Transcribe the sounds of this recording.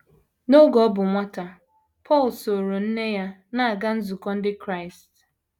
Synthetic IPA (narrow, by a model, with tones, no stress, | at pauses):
no˦ɡɔ˨˦bʊ˨ŋʷa˦ta˨ | pʰɔ˦˨lso˨ɾo˨n̩˦ne˦ja˦na˦a˨ɡa˦n̩˦zu˨kɔ˦n̩˦dɪ˦kɾa˦˨ɪ˨st